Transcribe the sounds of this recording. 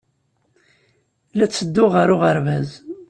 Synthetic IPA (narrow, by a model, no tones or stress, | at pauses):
læt͡sːəd̪ːʊʁəɾʊʁəɾvæz